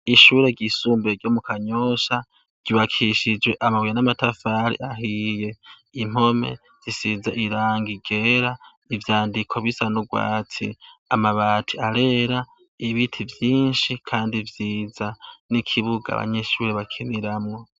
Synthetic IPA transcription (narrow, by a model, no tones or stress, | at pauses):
iʃuːɾe̞ɡisuːmbeɡjo̞ːmukʰaɲoʃa | ɡ̥iβakʰiʃid͡ʒwe̞ʔamaβwjanamatafaɾḭʔaɦije̞ | im̥o̞me̞̰ | z̥isizaʔiɾaːŋɡiɡ̥e̞ːɾa | ivjaːndikʰo̞βisanuɡwa̰ːtʰḭamaβaːtʰiaɾe̞ɾa | iβitʰivjiːnʃikʰaːndivjiːzanikʰiβuɡa̰βa̰ɲe̞ʃuːɾe̞βakʰiniɾamŋo̞